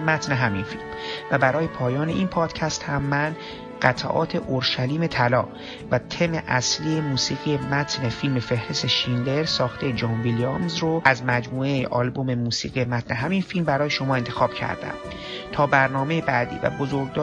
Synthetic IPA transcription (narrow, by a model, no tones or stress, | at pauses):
mæt̪ne̞ɦæminfilmvæbæɾɒːje̞pʰɒːjɒːne̞ʔinpʰɒːd̪̥cʰæst̪hæmːæn | ɢ̥æt̪ʰæ̰ʔɒ̰ːt̪ʰe̞ʔoɾʃæliːme̞t̪ʰælɒː | væt̪ʰe̞me̞ʔæsliːjemuːsiːɣije̞mæt̪ʰne̞filme̞fe̞hɾest̪eʃinle̞ɾsɒːxt̪ʰe̞jed͡ʒɒːnviliɑmzɾoʔæzmæd͡ʒmuːe̞jeʔɒːlbo̞me̞muːsiːɣijemæt̪ne̞ɦæminfilmbæɾɒːje̞ʃo̞mɒːe̞nt̪ʰe̞xɒːb̥cʰæ̰ɾd̪æ̰m | t̪ʰɒːbæɾnɒːme̞jebæːd̪ḭːvæ̰bozoɾɡd̪ɒː